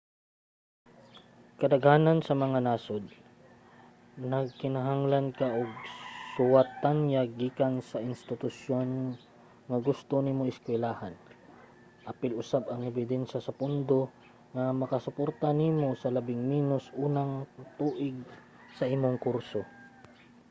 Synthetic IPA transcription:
kɐd̪ɐɡhaːnɐnsɐmɐŋanaːsod̪̚ | nɐɡ̚kɪnaɦaŋlankaʔoɡ̚sʊwat̪ːanjaɡiːkansɐɪnst̪ɪt̪ʊsjon | ŋɐɡʊst̪onimoɪskwɛlaːhan | ʔapɪlʔʊsabɐŋɛbɪd̪ɛnʃasɐpʊnd̪o | ŋɐmɐkɐsʊpoɾt̪aniːmosɐlɐbɪŋmiːnʊsʔuːnaŋt̪uːʔɪɡ̚ | sɐʔimoŋkuɾso

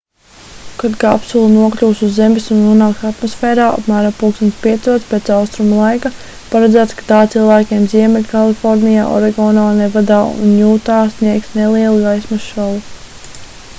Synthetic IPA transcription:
kad̪ɡapsulˠunuɔklʲuːsuzːemisunːuɔnaːksat̪mɔsfɛːɾaːa̰pmæːɾampuːkst̪unt̪sʲpʲiɛt̪suɔt̪speːt̪sawst̪ɾumulˠajka | paɾad̪zæːt̪skḁt̪aːt̪silˠvæːkʲeɛmziɛmɛlʲkalˠifɔɾnija̰ːʔɔ̰ɾɛɡɔːnaːnɛvad̪aːṵnjuːt̪aːsnʲiɛksnelˠiɛlˠuɡajsmaʃalˠu

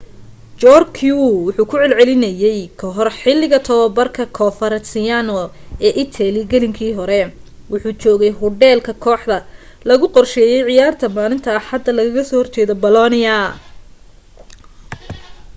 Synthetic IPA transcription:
t͡ʃɔrkʰjuwʊħuːkʰʊʕɛlʕɛlɪnɐjɛjkʰɐɦɔrħɪlːɪɣɐt̪ʰɐwɐbɐrkʰɐkʰɔːfɐɾɐsɪanɔɛːʔɪt̪ʰɛlɪɡɐlɪŋkʰiːɦɔɾɛ | wʊħuːt͡ʃɔːɣɛjɦʊɖɛːlkʰɐkʰɔːħd̪ɐ | lɐɣʊqɔrʃɛːjɛjʕɪjaːrt̪ʰɐmaːlɪnt̪ʰɐːħħɐd̪ɐlɐɣɐɣɐsɔːhɔrt͡ʃɛːðɔbɐlɔnɪɐ

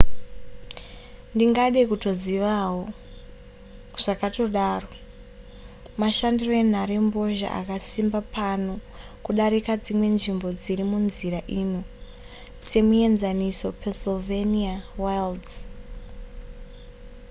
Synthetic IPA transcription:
ndiŋɡaɗekuto̞ziʋawo | ʐ̥akato̞ɗaːro̞ | maʃandiro̞en̤aɾembo̞ʒa̰a̰kasimbapʰano̞ | kuɗaɾikad͡zimwe̞nʐimbo̞d͡ziɾimunziɾaʔino | se̞mue̞nzaniso̞pʰensoveniawajld

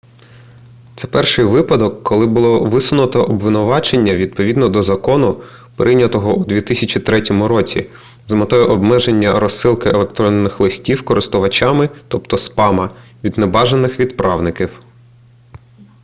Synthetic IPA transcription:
t̪sɛpɛrʃɪjʋɪpɐd̪ɔkːɔlˠɪbʊlˠɔʋɪsʊnʊt̪ɔʔɔbʋɪnʊʋɑt͡ʃenʲːɐʋʲid̪̚pɔʋʲid̪nɔd̪ɔzɐkɔnʊ | pɾʔɪjnʲɐt̪ɔɦɔʔud̪ʲʋʲit̪ɪsʲɐt͡ʃit̪ɾɛtʲɔmʊɾɔt͡sʲḭ | zmɐt̪ɔjɛʔɔbmɛʒe̞nʲːɐɾɔsːɪlˠkɪelˠekt̪ɾɔnːɪxlˠɪsʲtʲiwkɔɾɪst̪ʊʋɐt͡ʃʲɑmɪt̪ɔpt̪ɔspɑmɐʋʲid̪nebɑʒenːɪxʋʲid̪pɾɑwnɪkʲiw

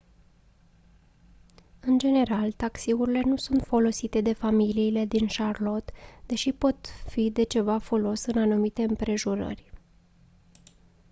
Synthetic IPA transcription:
ɨnd͡ʒe̞ne̞ɾalt̪aksiuɾile̞nusunt̪fo̞lo̞sit̪e̞d̪e̞familiːle̞d̪inʃarlo̞t̪d̪̥e̞ʃipo̞t̪fid̪e̞t͡ʃe̞vafo̞lo̞sɨnanumit̪e̞ɨmpɾe̞ʒuɾə̰rʲ

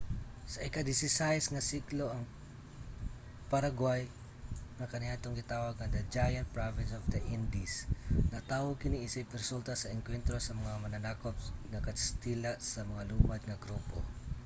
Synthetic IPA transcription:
sɐʔɪkad̪ɪsɪsajsŋɐsikloʔɐŋ | pɐɾaɡwaj | ŋɐkɐnɪaːt̪oŋɡɪt̪aːwɐɡ̚ɐŋd̪ɐd͡ʒajɐnt̪̚pɹavɪnsɔvd̪ɐʔɪnd̪isnɐt̪aːwokɪniʔɪsɪpɪɾsult̪asɐɛŋkwɛnt̪ɾosɐmɐŋamɐnɐnakopnɐkɐst̪ilasɐmɐŋaluːmɐd̪̚ŋɐɡɾuːpo̰

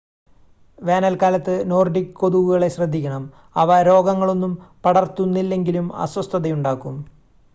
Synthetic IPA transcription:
ʋeːnɐlkaːlɐt̪ːɨno̞ːrɖikːɨkːo̞ðuʋuɣɐɭe̞ɕrɐd̪ʱːikʲːɐɳɐm | ɐʋɐɾo̞ːɡɐŋːɐɭo̞nːumpɐɽɐrt̪ːunːilːe̞ŋɡilumɐ̰swɐst̪ʰɐðɐjuɳɖaːkːum

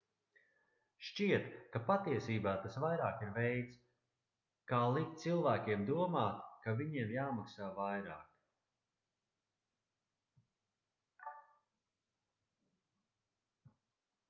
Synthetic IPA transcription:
ʃt͡ʃiɛt̪kapat̪iɛsiːbaːt̪asvajɾaːkiɾvɛjt̪s | kaːlˠik̚t̪̚t̪silˠvæːkʲiɛmd̪uɔmaːt̪kaviɲiɛmjaːmaksaːvajɾa̰ːk

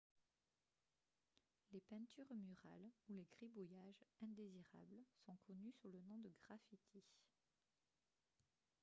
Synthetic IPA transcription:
lepɛ̃t̪ʰyʁmyʁa̰luleɡʁibujaʒɛ̃d̪eziʁa̰blsɔ̃kʰɔnysulənɔ̃d̪əɡʁafit̪ʰi

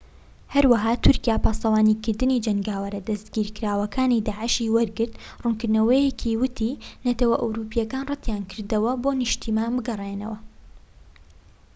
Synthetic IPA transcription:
hɐɾwɐɦaːt̪ʰʊɾkijaːpaːst̪ɐwaːniːkɨɾd̪ɨniːd͡ʒɐŋɡaːwɐɾɐd̪ɐst̪ɡiːɾkɨɾaːwɐkʰaːnid̪aːʕɨʃiːwɐɾɡɨɾt̪rʊnkɨɾnɐwɐjekʰiwɨt̪ʰiːnɐt̪ɐwɐʔɐwɾuːpijɐkaːnrɨt̪jaːnkʰɨɾd̪ɐwɐbonɨʃt̪ʰimaːnbɨɡɐrˤeːnɐ̰wɐ

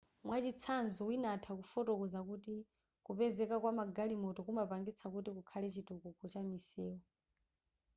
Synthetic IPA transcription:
mwat͡ʃit͡sʰanzɔwinatʰakufɔtɔkɔzakuti | kupɛzɛkakwamaɡalimɔtɔkumapaŋɡit͡sʰakutikukʰalɛt͡ʃitukukɔt͡ʃamisɛːɔ

